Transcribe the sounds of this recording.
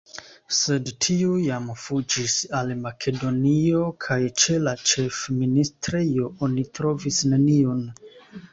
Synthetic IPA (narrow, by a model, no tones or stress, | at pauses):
se̞dtʰiujamfud͡ʒisalmakʰe̞do̞nio̞kʰajt͡ʃe̞lat͡ʃe̞fministɾejo̞onitɾo̞visne̞nion